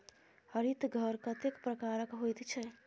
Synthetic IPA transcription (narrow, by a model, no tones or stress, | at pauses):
hʌɾit̪ɡʱʌɾkət̪ekpɾəkaɾəkɦojt̪t͡ʃʰɛ